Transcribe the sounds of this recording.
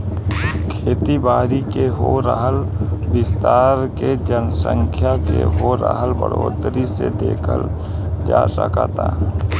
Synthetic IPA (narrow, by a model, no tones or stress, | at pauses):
kʰeːt̪ibaːɾikeɦoɾəɦəlbɪst̪aːɾked͡ʒənsə̰̃ŋkʰjakḛɦoːɾə̰ɦəlbə̰ɽoːd̪ɾised̪eːkʰə̰l | d͡ʒaːsəkat̪a